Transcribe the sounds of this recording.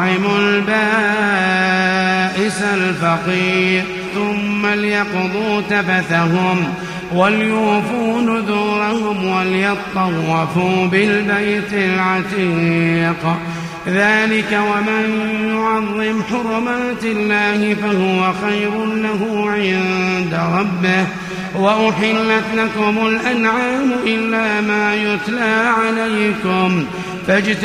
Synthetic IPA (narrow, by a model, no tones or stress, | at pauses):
ɪmʊlbaː | ʔɪsalfɑqiːɾ | θʊmːaljɑqd̪ˤuːt̪abaθaɦʊm | waljʊːfuːnʊd̪uːɾˤahʊmwaljɑt̪ˤːɑwːɑfuːbɪlbajt̪ɪlʕɑt̪ˤiq | ðaːlɪkawamanjjjʊʕɑðˤːɪmħʊɾˤʊmaːt̪ɪlːaːhɪfahʊwaxajɾʊlaɦuːʕɪnd̪aɾˤɑbːɪh | waʔʊħɪlːat̪lakʊmʊlʔanʕaːmʊʔɪlːaːmaːjʊt̪laːʕalajkʊm | fad͡ʒt̪